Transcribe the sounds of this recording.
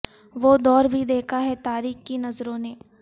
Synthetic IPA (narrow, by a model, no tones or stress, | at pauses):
ʋoːd̪ɔːɾbʱid̪eːkʰaɦɛt̪aːɾiːxkinɐzɾõneː